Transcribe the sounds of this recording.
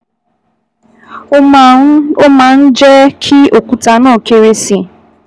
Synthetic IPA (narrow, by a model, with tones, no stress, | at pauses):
o˦mãː˦n̩˦d͡ʒɛ˦kʰi˦o˨ku˦ta˧nãː˦˨ke˧ɾe˧si˨